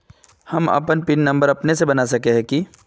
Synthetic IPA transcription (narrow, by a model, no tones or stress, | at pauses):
hɐmɐ̰pənpɪnːɐ̃mbəɾɐpnesebɐnasɐkeɦɛ̃ki